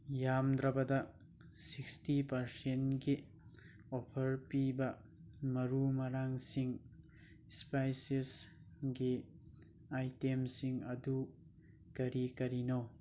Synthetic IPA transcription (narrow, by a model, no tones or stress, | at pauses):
jamd̪ɾɐbɐdɐ | sikstipɐɾsenɡi | opʰɐɾpibɐ | mɐɾumɐɾaŋsiŋ | spajses | ɡi | ajtemsiŋɐdu | kɐɾikɐɾino